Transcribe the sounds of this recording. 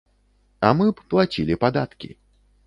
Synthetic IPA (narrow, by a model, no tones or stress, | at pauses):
amɨplˠat͡sʲilʲipad̪at̪kʲḭ